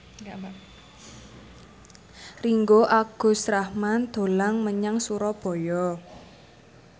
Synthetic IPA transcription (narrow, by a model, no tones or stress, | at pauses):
riŋɡoʔaɡ̥o̤sɾahmand̪̥o̤laŋməɲaŋsuɾɔb̥ɔ̤jɔ